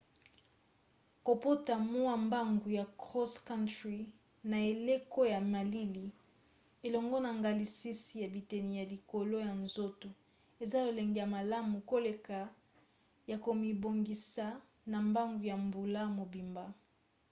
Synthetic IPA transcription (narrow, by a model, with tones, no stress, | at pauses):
ko˨po˦ta˨mo˦a˦mba˦ŋɡu˨ja˨kʁɔ˦ska˦ntʁi˨ | na˨e˨le˦ko˦ja˨ma˨li˦li˨ | e˨lɔ˨ŋɡɔ˦na˨ŋɡa˨li˨si˦si˨ja˨bi˨te˨ni˨ja˨li˨ko˨lo˦ja˨nzo˦tu˨ | e˨za˦lo˨le˨ŋɡi˨ja˨ma˨la˦mu˨ko˦le˨ka˨ | ja˨ko˨mi˨bo˨ŋɡi˨sa˨ | na˨mba˦ŋɡu˨ja˨mbu˨la˦mo˨bi˨mba˦